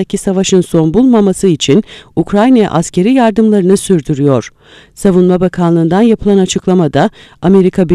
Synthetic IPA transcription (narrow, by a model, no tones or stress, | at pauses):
acʰisavaʃɯnso̞nbulˠmamasɯit͡ʃʰinukɾajnaja̰ʔascʰe̞ɾijaɾd̪ɯmlˠaɾɯnɯsyɾd̪yɾyjo̞ɾ̥ | savunmabakʰanlˠɯːnd̪anjapʰɯlˠanat͡ʃʰɯklˠamad̪aame̞ɾikʰabi